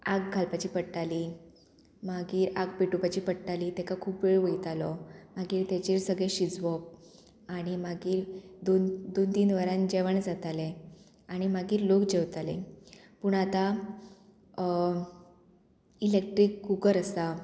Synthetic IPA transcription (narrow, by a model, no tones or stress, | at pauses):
aɡɡʱalpat͡ɕiːpəɽʈali | maɡiːɾaɡpiʈupat͡ɕiːpəɽʈaliːt̪ɛkakʰuːpʋeɭʋəit̪alɔmaɡiːɾt̪jat͡ɕeɾsəɡɭeɕid͡zʋɔp̚ | aɽ̃imaɡiːɾd̪ond̪ont̪iːnʋəɾãnd͡ʑɛʋəɳd͡zat̪ale | aɽ̃imaɡiːɾlokd͡ʑewt̪ale | puɳ̃at̪a | ilek̚ʈɾiːkːukəɾəsa